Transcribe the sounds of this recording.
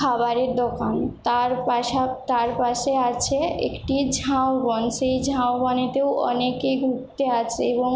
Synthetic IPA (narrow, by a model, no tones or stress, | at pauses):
aβaɾeɾd̪ɔkant̪aɾpaat̪aɾpaʃeat͡ɕʰeḛkʈid͡ʑʱaobɔnʃejd͡ʑʱaobɔnit̪ewʔɔ̰nekejɡʱuk̚t̪eat͡ɕʰeeboŋ